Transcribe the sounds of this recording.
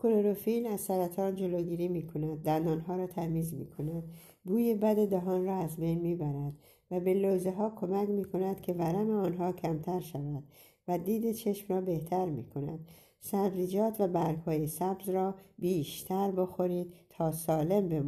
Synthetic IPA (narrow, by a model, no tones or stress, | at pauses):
kʰoloɾofiːlmæzsæɾæt̪ʰɒːnd͡ʒo̞loːɡiːɾiːmiːkʰo̞næd̪̚ːænd̪ɒːnɦɒːɾɒːt̪ʰæmiːzmḭːkʰo̞næd̪ | buːje̞bæd̪e̞d̪æɦɒːnrɒːæzbe̞jnmiːbæɾæd̪̥ | væbe̞lozeɦɒːkʰo̞mæcmiːkʰo̞næd̪̥kʲʰe̞væɾæmeɒːnɦɒːkʰæmt̪ʰæɾʃævæd̪̥ | væd̪iːd̪e̞t͡ʃʰe̞ʃmrɒːbe̞ht̪ʰæɾmḭːkʰo̞næ̰d̪̥̚ | sæbziːd͡ʒɒːt̪ʰvæbæɾɡhɒːjesæbzrɒːbiːʃt̪ʰæɾbo̞xo̞ɾiːd̪̥̚t̪ʰːɒːsɒːle̞mbem